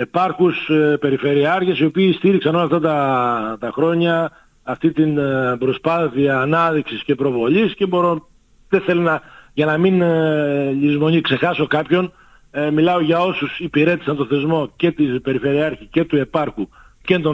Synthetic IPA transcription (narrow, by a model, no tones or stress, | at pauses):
e̞pɐɾxuspe̞ɾife̞ɾiɐɾçesio̞piːst̪iɾiksɐno̞lɐft̪ɐt̪ɐt̪ɐxɾo̞ɲɐː | ft̪it̪inbɾo̞spɐθiɐːnɐðiksisce̞pɾo̞vo̞lisce̞bo̞ɾo̞ | t̪eθelonɐʝɐnɐmin | ʎizmo̞nikse̞xɐso̞kɐpço̞n | milɐo̞ʝɐo̞susipiɾe̞t̪i̥sɐnt̪o̞θe̞zmo̞ce̞t̪ibe̞ɾife̞ɾiɐɾçice̞t̪ue̞pɐɾxu | cent̪o